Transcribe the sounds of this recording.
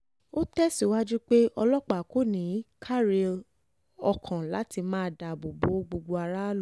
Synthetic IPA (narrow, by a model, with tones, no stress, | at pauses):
o˦tɛ˦si˦˨wa˦d͡ʒu˦k͡pe˦ɔ˧lɔ˦k͡pa˨ko˦nĩ˨˦kʰa˦ɾe˧l | ɔ˧kʰã˨la˨˦ti˧mãː˦˧˨da˨bo˨bo˨˦ɡ͡bo˧ɡ͡bo˧a˧ɾa˦l